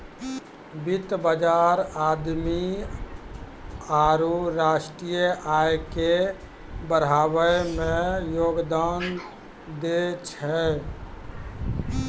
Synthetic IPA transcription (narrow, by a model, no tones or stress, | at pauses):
bit̪bəd͡ʒaɾaːd̪mi | aɾuɾaʃʈɾijəʔajeke | bəɾ̤aːwəmẽjoːɡd̪an | d̪et͡ʃʰɛ